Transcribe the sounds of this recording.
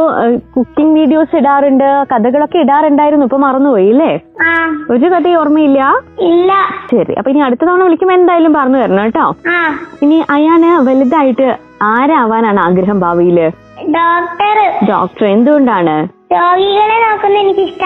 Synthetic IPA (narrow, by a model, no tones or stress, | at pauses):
ɐpːokukːiŋɡʋiːɽijo̞ːsiɽaːruɳɖɨkɐd̪ɐɣɐɭo̞kːe̞iɽaːruɳɖaːjiɾunːuipːoːmɐrɐnːupoːjilːeːaːoɾɨkɐd̪ɐorɐmːɐilːɐilːɐɕɐɾḭʔɐ̰pːoːiniɐɽut̪ːɐt̪oːɳɐʋɐlikʲːɐmend̪aːjalumpɐrɐɲːuʋɐɾɐɲoːjiʈːoːaːiniʔɐjaːɳɨʋelid̪aːjiʈːɨ | aːɾaːʋaːnaːɳɨaːɡɾɐɦɐmbʱaːʋijilɨ | ɖoːk̚ʈɐrɖo̰ːk̚ʈɐre̞nd̪uɣoɳɖaːɳɨɾoːɡiɣɐɭenoːkːunːɐenikʲːiʂʈɐ